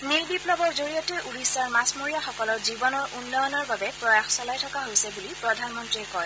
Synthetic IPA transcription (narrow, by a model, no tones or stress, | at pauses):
nilbiplɔbɔɹzoɹijɔtɛuɹisːaɹmasmoɹijaxɔkɔlɔɹzibɔnɔɹʔunːɔjɔnɔɹbabɛpɹɔjaxsɔlajtʰɔkaɦojsɛbulipɹɔdʱanmɔntɹiɛkɔj